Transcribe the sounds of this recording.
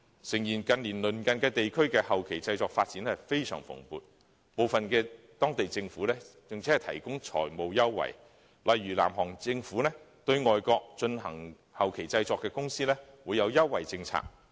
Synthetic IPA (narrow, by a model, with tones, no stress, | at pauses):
sɪ˨˩ŋjiː˨˩nkɐ˨nliː˨˩nlɵ˨˩nkɐ˨nkɛː˧t̪e˨jkʰɵ˥ɥkɛː˧hɐ˨wkʰe˨˩jt͡sɐ˧jt͡sɔː˨˧k̚faː˧t̚t͡siː˨˥nhɐ˨jfe˥jsœ̰ː˨˩ŋfʊ̰˨˩ŋpṵː˧t̚ | po˨˧wfɐ˨nkɛː˧ | t̪ɔː˥ŋt̪e˨jt͡sɪ˧ŋfuː˨˥lɛː˥t͡sʊ˨ŋt͡sʰɛ˨˥hɐ˨˩jt̪ʰɐ̰˨˩jkʊ˥ŋt͡ʃʰɔ̰ː˨˩jmo˨wjɐ˥wːɐ̰˨˩j | lʔɐ˨jːyː˨˩la̰ː˨˩mɦɔː˨˩ŋt͡sɪ˧ŋfuː˨˥nɛː˥ | t̪ɵ˧ɥŋɔː˨jkɔː˧k̚t͡ʃɵ˧nhɐ̰˨˩ŋ | hɐ˨wkʰe˨˩jt͡sɐ˧jt͡sɔː˧kːɛː˧kʊ˥ŋsiː˥lɛː˥wuː˨˧jːɐ˨˧wjɐ˥wːɐ˨˩jt͡sɪ˧ŋt͡sʰa̰ː˧k̚